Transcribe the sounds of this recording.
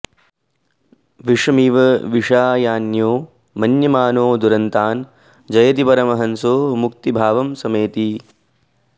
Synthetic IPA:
ʋiʂɐmiʋɐʋiʂaːjaːnjoː | mɐnjɐmaːnoːd̪uɾɐnt̪aːn | d͡ʒɐjɐt̪̬ipɐɾɐmɐɦɐnsoːmuk̚t̪ibʱaːʋɐmsɐmeːt̪i

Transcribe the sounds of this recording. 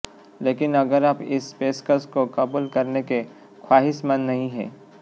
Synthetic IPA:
leːkɪnɐɡəɾapɪsːpeːskəɾskokɐbuːlkɐɾneke | kʰwaːɦɪʃmɐnːɐɦĩɦɛ̰ː

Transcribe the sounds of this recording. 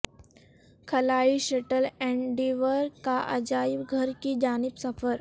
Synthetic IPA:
kʰəlaːiʃeʈəlɛ̃ɳɖiʋəɾkaʔəd͡ʒaːipɡʱəɾkid͡ʒaːnibsəfəɾ

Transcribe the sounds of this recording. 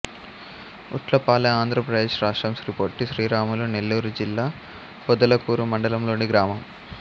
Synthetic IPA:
ṵʈlɐpaːlɐaːnd̪ʱɾɐpɾɐd̪eːʂɾaːʂʈɾɐmsɾipoːɾʈːiʃɾiːɾaːmulunelːuːɾud͡ʒilːaː | pɔd̪ɐlɐkuːɾumɐɳɖɐlɐmlo̞ːɳiɡɾaːmɐm

